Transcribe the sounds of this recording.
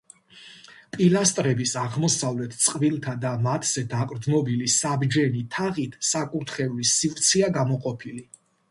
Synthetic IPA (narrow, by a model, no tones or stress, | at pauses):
pʼilast̪ʼɾɛbisaʁmɔsavlɛt̪ʰt̪sʼqʼvilˠt̪ʰad̪amat̪ʰz̥ɛd̪akʼɾd̪znɔbilisabd͡ʒɛnit̪ʰaʁit̪ʰsakʼuɾt̪ʰχɛulisivɾt̪sʰiaɡamɔqʼɔpʰili